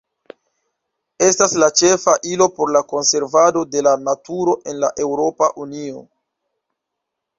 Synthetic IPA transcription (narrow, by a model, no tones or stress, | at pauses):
e̞staslat͡ʃe̞faʔilo̞po̞ɾlako̞nse̞ɾvado̞de̞lanatuɾo̞ʔe̞nlaʔe̞wɾo̞paʔunio̞̰